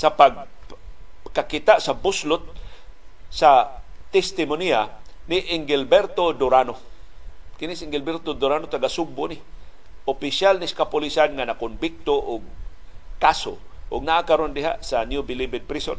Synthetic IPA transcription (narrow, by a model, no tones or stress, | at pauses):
sapaɡ̚ | kakɪt̪aʔsabʊslʊt̪̚ | sat̪ɛst̪ɪmonianɪʔɪŋɡɪlbɛɾt̪od̪ʊɾano | kɪnisɪŋɡɪlbɛɾt̪od̪ʊɾanot̪aɡasʊɡ̚bʊnɪ | ʊpɪsjalnɪskapʊlisanŋanakʊnbɪk̚t̪oʔʊɡ̚kaso̰ʔʊɡnaʔakaɾond̪ɪɦa̰ʔsanjubɪlibɪd̪̚pɾison